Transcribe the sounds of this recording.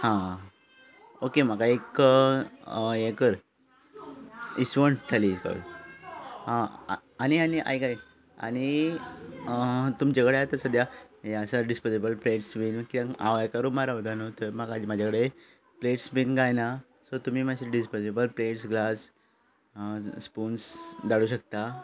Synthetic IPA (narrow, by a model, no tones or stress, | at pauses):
hã | okem̤akaek | ekəɾ | isʋəɳʈ̪ʰalikə̰ɽ | añianiʔa̰jkaj | a̰ñi | t̪umt͡ɕakəɽeat̪əsəd̪ʱjajasaɖispɔsibəlpleʈsbinkiãa̰ʋajkaɾumaɾaud̪anot̪əɾməɡad͡ʑimad͡ʑʱakəɽe | pleʈsbinɡajna | sɔt̪umiːmaseɖispɔsibəlpleʈsɡlas | puːnsd̪aɽuɕək̚t̪a